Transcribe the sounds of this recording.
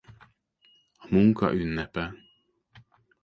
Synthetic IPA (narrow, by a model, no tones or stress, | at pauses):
ɒmuŋkʰɒ̰ʔynːɛpɛ